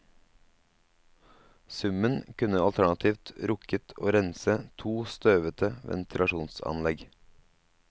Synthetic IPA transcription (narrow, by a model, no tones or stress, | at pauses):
sʉmənkʉnəɑlt̪ʰæɳɑt̪ʰiːʋt̪ɾʊkət̪ʰo̰ːɾɛnsət̪ʰuːst̪øːʋət̪ʰəʋʔɛ̰nt̪ʰɪlɑʃuːnsɑ̰nlɛɡ